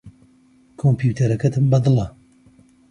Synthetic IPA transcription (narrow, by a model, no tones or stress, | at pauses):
kʰompjuːt̪ʰɐɾɐkɐt̪ʰɨmbɐd̪ɨlˠɐ